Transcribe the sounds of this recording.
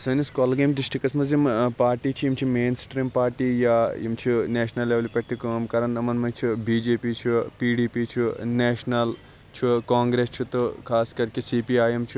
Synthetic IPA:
sɐniskoːlɐɡemd̪iʃʈʰikɐsmɐzjimpaːɾʈiːt͡ʃʰuimt͡ʃʰimeːnsʈɾiːmpaːɾʈiːjaḭmt͡ʃʰuneːʃnɐlːeʋɐlipeʈ̚t̪ikmkɐɾɐnɐmɐnmɐt͡ʃʰubiːd͡ʒeːpiːt͡ʃʰupiːɖiːpiːt͡ʃʰuneːʃnɐl | t͡ʃʰukaːŋɡɾeːst͡ʃʰut̪okʰaːskɐɾikesiːpiaːjemt͡ʃʰu

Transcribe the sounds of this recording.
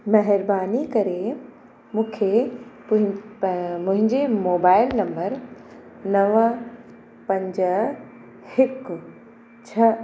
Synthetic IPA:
mɐɦɪɾbaːnikɐɾe | mũːkʰe | ʊɦɪ̃ | mʊ̃ɦɪ̃ɲd͡ʑemoːbaːɪlnɐ̃mbəɾ | nɐʋ | pɐ̃ɲd͡ʑ | hɪk | t͡ɕʰɐ

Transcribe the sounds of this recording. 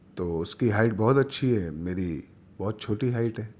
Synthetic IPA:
t̪oːʊskiɦaːɪʈ̚bɔːʊt̪ɐtːʃʰiɦɛmeːɾi | bɔːt̪̚t͡ʃʰoːʈiɦaːɪʈɦɛː

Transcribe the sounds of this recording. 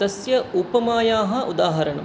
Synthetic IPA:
ɐsjɐupɐmaːjaːɦɐ̆ʔud̪aːɦɐɾɐɳɐ̰m

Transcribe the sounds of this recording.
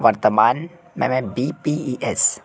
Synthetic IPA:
ʋɐɾt̪əmaːn | mɛ̰̃mɛ̃biːpiiʔɛs

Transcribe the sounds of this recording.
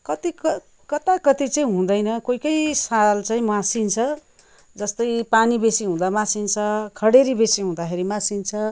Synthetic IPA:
kʌt̪ikʌ | kʌt̪akʌt̪it͡sʌĩɦũd̪ʌjnʌkojkʌjsalt͡sãĩmasint͡sʰʌ | d͡zʌst̪ʌjpanibesiɦũd̪amasint͡sʰʌkʰʌɽeɾibesiɦũd̪axʰeɾimasint͡sʰʌ

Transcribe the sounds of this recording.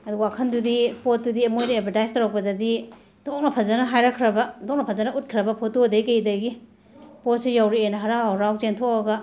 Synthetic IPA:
ɐduwakʰɐndudipot̚dudiemojdiepʰɐtajstaɾak̚pɐdɐdi | dok̚nɐpʰɐzɐnɐɦajɾakʰɾɐbɐdɔk̚nɐpʰɐzɐnɐut̚kʰiɾɐbɐpʰot̚udaikejdɐɡi | pot̚sijawɾienɐɦaɾaawɾaw̚zentʰokaɡɐ

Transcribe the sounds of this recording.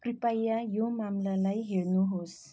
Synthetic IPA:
pɾipajajomamlalajɦeɭnuɦos

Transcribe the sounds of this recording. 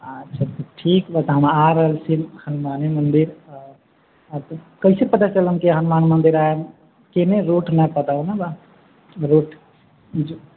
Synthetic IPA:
ətːt͡ʃʰat̪ʈʰikbat̪ɦəmaaɾəɦəlsimhənmanemənd̪iɾ | t̪ | kəisepət̪at͡ʃələmkiɦənmanmənd̪iɾaem | keneɾoʈnəpət̪aũnaba | ɾoʈʰ | d͡ʒo

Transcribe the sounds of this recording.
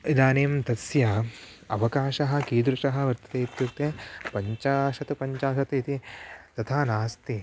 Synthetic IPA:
id̪aːneːmt̪ɐsjɐ | ɐʋɐkaːʃɐɦɐ̆kiːd̪ɾuʃɐɦɐ̆ʋɐɾt̪ɐ̥t̪eːt̪jukt̪eːpɐɲt͡ʃaːʃɐt̪upɐɲt͡ʃaːʃɐt̪it̪it̪ɐt̪ʰaːnaːst̪i

